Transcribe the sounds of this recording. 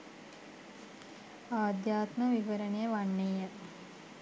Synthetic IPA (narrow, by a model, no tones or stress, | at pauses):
aːd̪jaːt̪mɐʋiʋɐɾɐɳejɐʋɐɳːejɐ